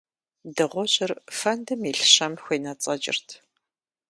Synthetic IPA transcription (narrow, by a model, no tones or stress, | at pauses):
dɨʁʷɔɕʼɪrfɐndɨmiːɬɕɐmxʷeːnɐt͡sʼɐd͡ʒʼɪ̰rtʰ